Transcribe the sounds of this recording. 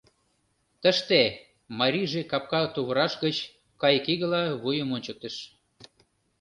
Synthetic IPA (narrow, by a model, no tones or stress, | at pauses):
t̪əʃt̪e | mɑɾʲiʒekɑp̚kɑt̪uβə̆ɾɑʃɣə̆t͡ɕ | kɑjkiɣə̆lɑβujə̆monʲt͡ɕə̆k̚t̪ə̆ʃ